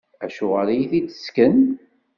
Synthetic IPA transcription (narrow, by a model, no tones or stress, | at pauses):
æʃʊʁalæjiθit͡sːə̥skən